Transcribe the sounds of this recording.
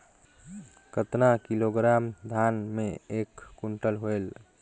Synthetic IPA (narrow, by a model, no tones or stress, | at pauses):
kət̪nakiloɡɾamd̪ʱanmeekːuɳʈəlɦoel